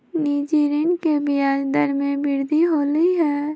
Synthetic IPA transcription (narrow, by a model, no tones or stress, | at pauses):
niːd͡ʒiːɾinkebijaːd͡ʒd̪əɾmẽbɪɾd̪ʱiɦoːliɦɛː